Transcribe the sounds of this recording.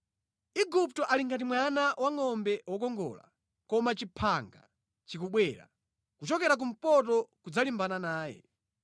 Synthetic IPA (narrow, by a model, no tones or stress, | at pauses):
iɡup̚tɔʔaliŋɡat̬imwanawaŋɔmbɛwɔk̬ɔŋɡɔ̰ːla̰ | kɔmat͡ʃipʰaŋɡa̰ | t͡ʃikuɓwɛːɾa̰ | kut͡ʃɔkɛɾak̬um̩pɔt̬ɔkud͡zalimbananaːjɛ̰